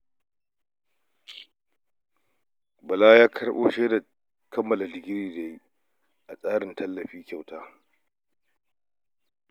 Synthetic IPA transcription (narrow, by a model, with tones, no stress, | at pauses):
bɐ˨laː˦jaː˦kʰɐ˦ɽʔoː˦ʃeː˦da˨ | kʰɐ˦mːɐ˨la˨lɪ˨ɡʲɪ˦ɾiː˨da˨ji˦ | ʔa˨sʼaː˦ɽɪ˨ntʰɐ˦lːɐ˨ɸiː˦kʲa˨wtaː˦